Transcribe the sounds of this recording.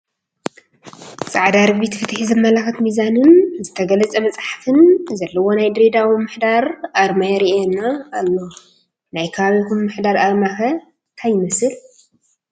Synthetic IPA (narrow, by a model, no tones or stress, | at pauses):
t͡sʼaʕd̪aɾɨbit̪fɨt̪ħizɨmːɐlaxɨt̪mizanɨnzɨt̪ʰɐɡɐlɐt͡sʼɐmɐt͡sʼaħafɨnzɐlːɐwo̞najd̪ɾed̪awimɨħd̪aɾʔaɾmajɛɾienːaːlːo̞ | najkʰɐβaβikummɨħd̪aɾaɾmaxɐ | t̪ʰajɪmɐsɨl